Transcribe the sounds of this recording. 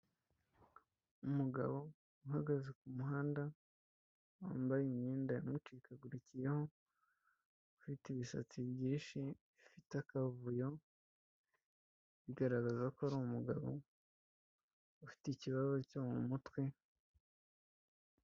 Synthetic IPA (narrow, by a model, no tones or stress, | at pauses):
umuɡa̰βo̞ | uɦaɡazekumuɦaːnda | wa̰ːmbajimɲiːndajamut͡ʃiːkaɡuɾucije̞ho̞ | ufiteβisa̰t͡siβjiːnʃiβifitakavujo | βiɡaɾaɡazakoaɾuumuɡa̰βo̞̰ | ufi̥ticiβaβocomṵmutwe